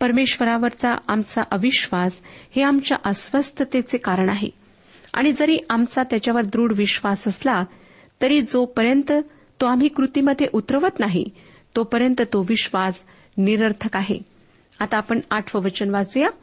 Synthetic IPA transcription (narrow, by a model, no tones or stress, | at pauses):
pəɾmeɕʋəɾaʋəɾt͡saamt͡saʔəʋiɕʋasheamt͡ɕja̰ʔəsʋəst̪ʰət̪et͡sekaɾəɳaɦḛ | a̰ɽ̃id͡zəɾiːʔamt͡sat̪jat͡ɕjaʋəɾd̪ɾuːɽʋiɕʋasəsla | t̪əɾiːd͡zopəɾjənt̪ə | t̪oamɦiːkɾut̪iməd̪ʱːjeʔut̪ɾəʋət̪naɦḭ | t̪opəɾjənt̪ət̪oʋiɕʋas | niɾəɾt̪ʰəkaɦḛ | at̪aːpəɳaʈʰʋəʋət͡ɕənʋat͡suja